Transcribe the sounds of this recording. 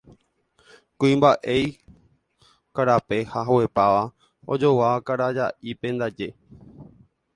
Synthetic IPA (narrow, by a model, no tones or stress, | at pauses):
kũĩmbaʔej | kaɾape̞haɦawepaʋa | o̰d͡ʒo̞wakaɾad͡ʒaʔipẽ̞nd̪ad͡ʒe̞